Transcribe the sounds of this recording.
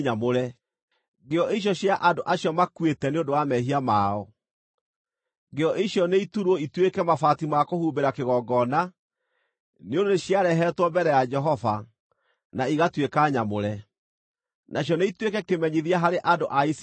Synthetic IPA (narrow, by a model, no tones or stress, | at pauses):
ɲamoɾɛ | ɡeɔʔeiɕ̬jɔɕjaʔandoʔaɕjɔmakwetɛneondowamɛɦiamaːɔ | ŋɡeɔʔeɕjɔneituɾɔitwekɛmafatimakohubeɾakeɣɔɡɔna | neondoneɕjaɾɛɦɛtwɔmbɛɾɛjad͡ʒɛɦɔva | naiɣatwekaɲamoɾɛ | nʔaɕjɔneitwekɛkemɛɲiðiaɦaɾeʔandoʔais